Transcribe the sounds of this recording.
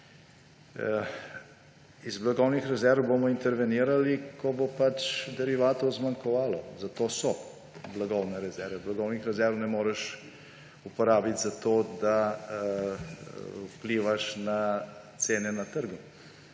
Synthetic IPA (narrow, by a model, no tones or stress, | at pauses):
izblaɡɔwnixɾɛzɛɾwbomɔint̪ɛɾʋɛniːɾalikɔbopat͡ʃd̪ɛɾiʋaːt̪ɔzmaŋkɔʋaːlɔzat̪oːsɔ | blaɡɔwnɛɾɛzɛɾʋɛblaɡɔwnixɾɛzɛɾʋnɛmoːɾɛʃ | upɔɾaːbit̪zat̪oːd̪a | upliːʋaʃnat̪seːnɛnat̪əɾɡɔ